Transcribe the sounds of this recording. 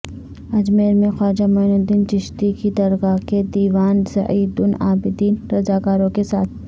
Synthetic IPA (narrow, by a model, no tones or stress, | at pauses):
ɐd͡ʒmeːɾmẽxɔːd͡ʒamʊnʊd̪iːnt͡ʃɪʃt̪ikid̪ɐɾɣaked̪iːʋaːnsɐ̰ʔiːd̪ʊnaːbɪd̪iːnɾɐzaːkaːɾõkesaːt̪̚ʰ